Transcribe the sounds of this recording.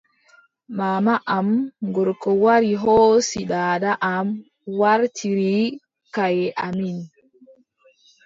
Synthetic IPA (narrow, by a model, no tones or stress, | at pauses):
maːmaʔamŋɡɔɾkɔwaɾiɦɔːsiɗaːdaʔam | waɾtʰiɾi | kajɛʔamin